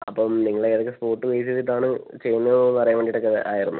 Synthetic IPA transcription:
ɐpːoːniŋːɐɭeeðokːespo̞ːrʈːɨʋejsitːiʈ̬ːaːɳɨt͡ɕe̞jːunːɐðpɐrɐjɐʋeːɳɖiʈːokːeʔaːjiɾunːu

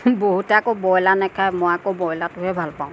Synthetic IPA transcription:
boɦutakobɔjlanɛkʰajmɔjakobɔjlatʊɦɛbʱalpãʊ̃

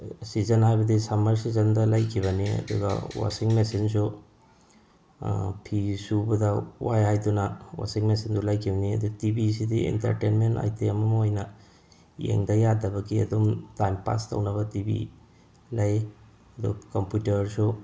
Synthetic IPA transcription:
sizɐnhajbɐdisamɐɾsizɐndɐlɐjkʰiβɐniɐ̰d̪ṵɡɐ̰wa̰siŋmesins̬u | pʰisubɐdɐwajajdunɐwa̰siŋmesindulajkʰibɐniɐ̰dutibis̬idiḭntɐ̰ɾtenmenta̰jtʰiɐmɐmɐojnɐ | jḛŋdɐjadɐbɐɡiɐ̰dumtajmpa̰stɐ̰wnɐβɐtibḭ | lɐj | ɐd̪ukɐmpjutɐɾsu

